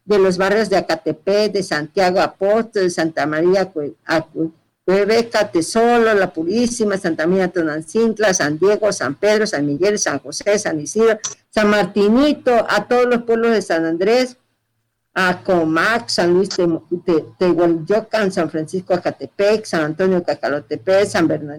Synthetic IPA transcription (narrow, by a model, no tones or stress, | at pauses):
d̪elos̬βarjozðeakat̪eped̪esant̪jaɣoapost̪old̪esant̪amaɾiaa | keβekat̪esololapuɾisimasant̪aminat̪onansint̪lasand̪jeɣosa̰mpeðɾosanmiɣelsaŋxosesanisiɾosanmaɾt̪init̪oʔat̪oðolospweβlozðesanand̪ɾes | akomaksanlwist̪eet̪ewaljokansanfɾansiskoakat̪epeksanant̪onjokakalot̪epesambeɾna